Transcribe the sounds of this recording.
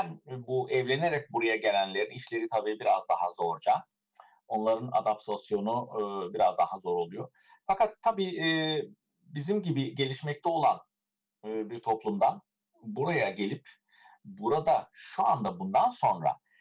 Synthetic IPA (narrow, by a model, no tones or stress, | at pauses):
ænbuʔɛvlʲe̞ne̞ɾɛc̚buɾajaɟe̞lʲænlʲe̞ɾiniʃlʲe̞ɾit̪ʰabiːbiɾazd̪aɦazo̞ɾd͡ʒa | o̞nlˠaɾɯna̰d̪ap̚t̪ʰasjo̞nubiɾazd̪aɦazo̞ɾo̞lˠujo̞ | fakʰat̪ʰːabiː | bizimɟibiɟe̞lʲiʃmɛc̚t̪ʰɛo̞lˠanː | biɾt̪ʰo̞plˠumd̪an | buɾajaɟe̞lʲip | buɾad̪aʃua̰nd̪abund̪anso̞nɾa̰